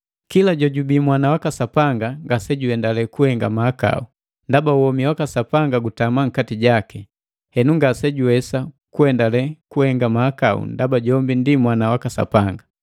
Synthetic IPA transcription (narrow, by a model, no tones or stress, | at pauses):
kilaɟɔɟubimwanawakasapaŋɡaŋɡasɛɟuhɛndalɛkuhɛŋɡamaːka̰u | ndabauɔmiwakasapaŋɡaɡutamaŋ̩katiɟakɛ | hɛnuŋɡasɛɟuwɛsa | kuhɛndalɛkuhɛŋɡamaːkaṵndabaɟɔmbindimwanawakasa̰paŋɡa